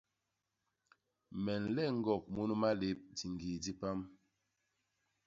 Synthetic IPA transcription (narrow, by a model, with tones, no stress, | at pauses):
mɛ˨n̩˨lɛ˦˨ŋ̩˦ɡɔ˦˨k̚mu˦nu˦ma˦le˦p̚di˨ŋɡi˨di˦pa˦m